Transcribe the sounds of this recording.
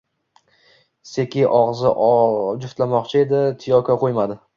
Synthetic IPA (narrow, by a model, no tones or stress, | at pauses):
se̞kʲɪʔɒʁzɪʔd͡ʒʊft̪lamɒqt͡ʃʰɪe̞d̪ɪt̪ʰɪjɒkʲʰaqʰojmad̪ɪ